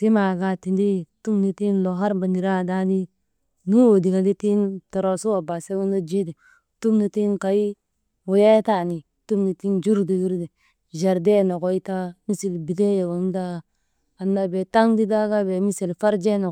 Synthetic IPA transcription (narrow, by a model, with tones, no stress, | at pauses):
ti˦ma˨ɡa˨ti˨ndi˦˨tu˦mni˦ti˦nlo˨ɦa˦ɾba˨ni˨ɾa˦˨da˦di˦ | ŋi˦wo˨di˨ka˨ɡi˦ti˦nto˨ɾo˨su˦wa˨ba˨se˦ɡu˦no˦d͡ʒi˦di˨ | tu˦mni˨ti˦nka˨i˦ | wo˨ja˦ta˦˨ni˨ | tu˦mni˨ti˦nd͡ʒu˦ɾdi˨ju˦ɾdi˨ | d͡ʒe˨ɾde˦˨no˨ɡo˦i˦ta˦mi˦si˨lbi˨de˦je˨wo˨m˦da˦ | a˨nːa˨be˨ta˦ŋdi˦da˦ɡa˦be˨mi˦si˨lfa˦ɾd͡ʒe˦no˨